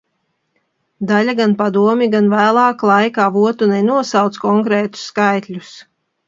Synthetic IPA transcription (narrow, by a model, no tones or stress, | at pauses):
d̪alʲaɡanpad̪uɔmʲiɡanvæːlˠɑːklˠɑjkaːvuɔt̪unɛnuɔsawt̪skɔŋkɾɛːt̪u̥sːkajt̪lʲus